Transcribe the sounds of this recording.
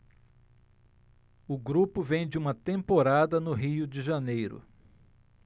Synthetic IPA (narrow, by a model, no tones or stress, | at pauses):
ʊɡɾupʊvẽj̃d͡ʒɪũmɐt̪ẽmpoɾad̪ɐnʊɦiʊd͡ʒɪʒɐnejɾʊ̰